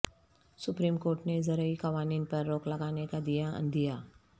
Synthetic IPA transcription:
sʊpɾiːmkoːɾʈnezɐɾəikɐʋaːniːnpɐɾːoːklɐɡaːnekad̪ijaɐ̰̃nd̪ijaː

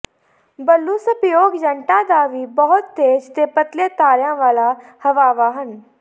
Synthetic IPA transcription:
bəlːuːsəpjoːɡd͡ʒəɳʈãːd̪aːʋiːbɔɦʊt̪ːeːd͡ʒt̪eːpət̪leːt̪aːɾjãːʋaːlaːhəʋaːʋaːɦən

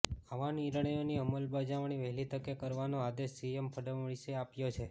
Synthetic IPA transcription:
aʋaniɾɳ̃əjoniəməlbad͡ʒaʋɳ̃iʋəɦlit̪əkekəɾʋanoad̪eʃːiempʰəɖəʋəɭiseapjot͡ʃʰe

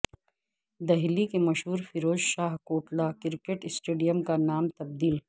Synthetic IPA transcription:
d̪ɐɦlikemɐʃɦuːɾfɪɾoːd͡ʒʃaːɦkoːʈlakɪɾkeʈɪsʈeːɖijəmkanaːmt̪ɐb̚d̪iːl

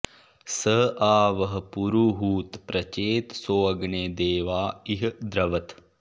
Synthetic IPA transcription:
səʔaːʋɐɦ̆puɾuɦuːt̪pɾɐt͡ʃeːt̪soːɐɡɳeːd̪eːʋaːiɦd̪ɾɐʋɐt̪

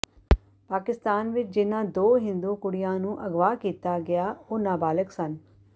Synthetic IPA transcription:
paːkɪst̪aːnʋɪt͡ʃd͡ʒɪnãːd̪oːɦɪ̃nd̪uːkʊɽɪjãːnũːʔəɡʋaːkiːt̪aːɡɪjaːoːnaːbaːləksən

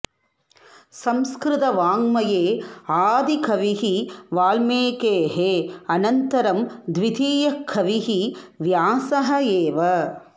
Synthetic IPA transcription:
sɐmskɾɪt̪ɐʋaːŋmɐjeːaːd̪ikʰɐʋiɦiʋaːlmeːkeːɦeɐnɐnt̪ɐɾɐmd̪ʋid̪ʱiːjɐkʰːɐʋiɦiʋjaːsɐɦɐeːʋɐ

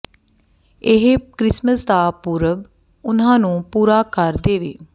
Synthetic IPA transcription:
ɪɦkɾɪsməsd̪aːpuːɾəb | ʊnãːnũːpuːɾaːkəɾd̪eːʋeː

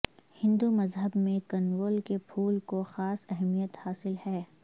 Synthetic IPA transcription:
hɪ̃nd̪umɐzɦəbmẽkɐnɾoːlkepʰuːlkoxaːsɛɦmijət̪haːsɪlhɛː

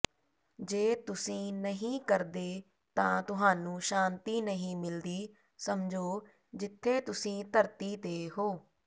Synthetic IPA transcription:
d͡ʒeːt̪ʊsĩːnəɦĩːkəɾd̪eː | t̪ãːt̪ʊɦaːnũːʃaːnt̪iːnəɦĩːmɪld̪iː | səmd͡ʒoː | d͡ʒɪt̪ʰːeːt̪ʊsĩːt̪əɾt̪iːt̪eːɦoː

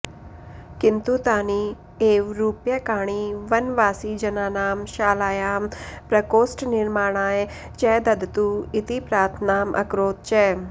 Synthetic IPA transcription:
kɪnt̪ut̪aːni | eːʋɾuːpjɐkaːɳ̃iːʋɐnʋaːsid͡ʒɐnaːnaːmʃaːlaːjaːmpɾɐkoːsʈnɪɾmaːɽ̃aːj | t͡ʃɛːd̪ɐd̪t̪uɪt̪ipɾaːt̪ʰnaːmʔɐ̰kɾoːt̪̚t͡ʃɛː

